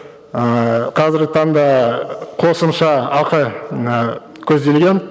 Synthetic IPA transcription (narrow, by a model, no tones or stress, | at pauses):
əqʰɑzɪɾɡʲɪt̪ʰɑnd̪ɑqʰo̞səmʃɑɑqəə | kʲʰɵzd̪e̞lɡʲen